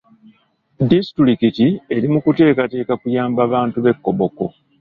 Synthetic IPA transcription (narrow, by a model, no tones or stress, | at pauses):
distɾikitie̞ɾimukute̞ːkate̞ːkakujaːmbaβaːntuβe̞kːoβo̞ko̞